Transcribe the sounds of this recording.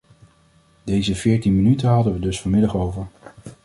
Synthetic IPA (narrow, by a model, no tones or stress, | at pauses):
dejzəvɪːɹtinmənytəɦɑdəʋədɵsfɔɹmɪdɑχowvəɹ